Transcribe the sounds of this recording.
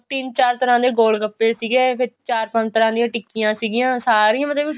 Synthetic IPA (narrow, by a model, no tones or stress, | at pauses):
t̪ɪnt͡ʃaːɾt̪əɾãːd̪eːɡoːɽɖkəpːeːsiːɡeːpʰɪɾt͡ʃaːɾpə̃ɲt͡ʃt̪əɾãːd̪ijãːʈɪkijãːsiːɡɪjãːsaːɾĩãːmət̪ləb